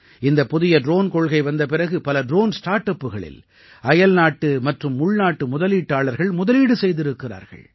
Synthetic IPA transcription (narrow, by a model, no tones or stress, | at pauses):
ɪnd̪ɐpːʊðɪjɐɖɾoːnkɔɭɣɐɪʋɐnd̪ɐpɪɾɐɣɯpɐlɐɖɾoːnsʈaːɾʈɐpːɯɣɐɭɪ̰l | ɐjɐlnaːʈːɯmɐʈrɯmːʊɭnaːʈːɯmʊðɐliːʈːaːɭɐɾɣɐɭmʊðɐliːɽɯsɛjðɪɾɯkːɪra̰ːɾɣɐ̰ɭ